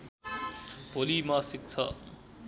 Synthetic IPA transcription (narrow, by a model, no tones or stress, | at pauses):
bʱolimasik̚t͡sʰʌ